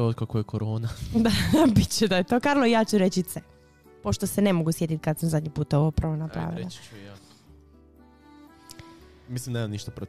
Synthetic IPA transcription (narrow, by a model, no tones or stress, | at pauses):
od̪̚kakojekoɾoːnad̪abit̪t͡ɕed̪ajet̪o̞kaɾlˠoijaːt͡ɕuɾet͡ɕit̪sɛ | po̞ʃt̪osene̞moɡusje̞t̪it̪̚kad̪samzad̪ʲɲipuːt̪oʋoupɾaʋonapɾa̰ːʋḭlˠa̰ | mislˠimnemamniʃt̪apɾo